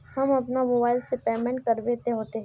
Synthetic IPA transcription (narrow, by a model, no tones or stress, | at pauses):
hɐmɐpnamoːbaːɪlsepeːmɛ̃ːɳʈ̚kɐɾʋeːt̪eɦoːt̪eɦ